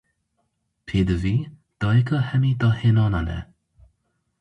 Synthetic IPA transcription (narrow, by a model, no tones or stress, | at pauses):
pʰeːd̪əvid̪̥ɔjekəhɛmid̪ɔhenɔnanɛ̰